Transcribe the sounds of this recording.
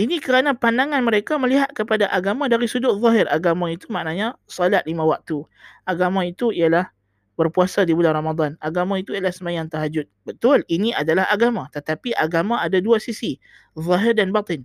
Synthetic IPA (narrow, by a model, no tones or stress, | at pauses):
inikəɾanapandaŋanməɾekaməliɦat̪̚kəpadaʔaɡamãdaɾisudʊʔ̪̚ðˤɑɦɪrʔaɡamãit̪umaʔnaɲasɔlaʔ̪̚limãwak̚t̪u | ʔaɡamãit̪uijalah | bərpuasadibulanramad̪ˤanaɡamãit̪uialahsəmajaŋt̪aɦad͡ʒʊt̪̚bət̪ʊliniʔadalahaɡamãt̪ət̪apiʔaɡamaadaduasisi | ðˤɔɦɪrdanbat̪ɪn